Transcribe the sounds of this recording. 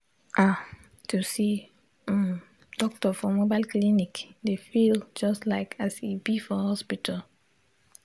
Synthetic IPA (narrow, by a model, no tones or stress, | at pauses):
ʔa | tʰusi | m | d̥ɔk̚tɔfɔmobaɪlklinikdefild͡ʒɔstlaɪkʰasibifɔhɔspitʰal